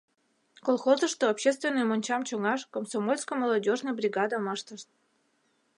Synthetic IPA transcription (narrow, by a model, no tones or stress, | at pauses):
kolˠxozə̆ʃt̪oːpɕes̬t̪vʲenːɨjmonʲt͡ɕɑmt͡ɕoŋɑʃkomsomolʲskomolˠodʲoʒnəjbrʲiɡɑd̪əmɑʃt̪əʃt̪̚